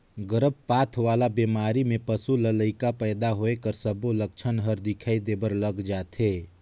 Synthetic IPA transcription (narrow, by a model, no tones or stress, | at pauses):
ɡəɾəb̚paːt̪ʰʋaːlabeːmaːɾimẽpəsulələɪkapɛːd̪aɦoekəɾsəbolək̚t͡ʃʰənɦəɾd̪ɪkʰaːid̪eːbəɾləɡd͡ʒaːt̪ʰeː